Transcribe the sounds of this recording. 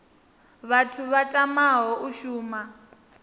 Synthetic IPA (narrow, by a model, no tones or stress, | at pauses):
βatʰuβatʼamaɦɔʔuʃuːma